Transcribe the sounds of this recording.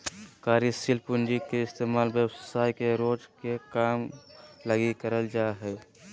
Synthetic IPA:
kaːɾisilpʊnd͡ʒikeɪst̪emaːlbjəwsaːjkeɾoːd͡ʒkekaːmləɡikəɾəld͡ʒaɦɛ

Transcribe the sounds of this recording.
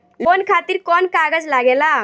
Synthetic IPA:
lonkʰat̪iɾkɔnkaɡəd͡ʒlaɡela

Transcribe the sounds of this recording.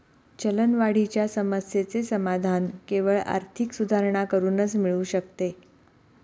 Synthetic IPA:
t͡ɕələnʋaɽ̤it͡ɕjasəməsjet͡sesəmad̪ʱankeʋəɭa̰ɾt̪ʰiksud̪ʱaɾɳakəɾuːnət͡smiɭuːɕək̚t̪e

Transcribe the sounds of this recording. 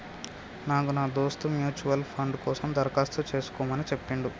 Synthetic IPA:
naːkunaːd̪oːst̪umjuːt͡ʃuʋɐlpʰɐɳɖkɔːsɐmd̪ɐɾkaːst̪ut͡ʃe̞ːsu̥kɔːmɐnit͡ʃepːiɳɖu

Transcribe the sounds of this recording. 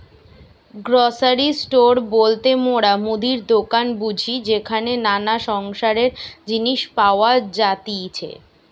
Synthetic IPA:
ɡɾɔsaɾisʈoɾbolt̪emoɽamud̪ʱiɾd̪okanbud͡ʑʱid͡ʑekʰanenanaʃɔŋʃaɾeɾd͡ʑiniʃpaoad͡ʑat̪it͡ɕʰḛ

